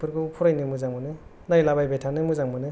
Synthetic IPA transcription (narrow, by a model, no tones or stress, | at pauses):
pʰɯɾkɯpʰuɾajnɯmɯzaŋbɯnɯ | najlabajbetʰanɯmɯzaŋmɯnɯ